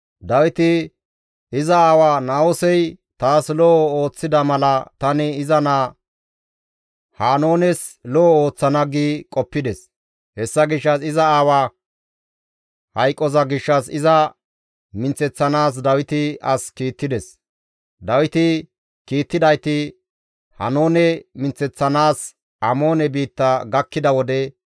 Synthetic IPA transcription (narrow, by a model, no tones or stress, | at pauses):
d̪ɐwɪt̪ɪ | ɪzɐaːwaːnaːwɔsɛj | t̪aːslɔʔɔo̞ːt͡sːɪd̪ɐmɐlɐt̪ɐnɪɪzɐnaː | haːno̞ːnɛslɔʔɔoːt͡sːɐnɐɡiːkʼɔpːɪd̪ɛs | hɛsːɐɡɪʃːɐsɪzɐaːwaː | hɐjkʼːɔzɐɡɪʃːɐsɪzɐ | mɪnt͡sːɛt͡sːɐnaːs̬d̪ɐwɪt̪ɪɐskiːt̪ːɪd̪ɛs | d̪ɐwɪt̪ɪ | kiːt̪ːɪd̪ɐjt̪ɪ | hɐ̰no̞ːnɛmɪnt͡sːɛt͡sːɐnaːs | ʔɐmo̞ːnɛbiːt̪ːɐɡɐkːɪd̪ɐwɔd̪ɛ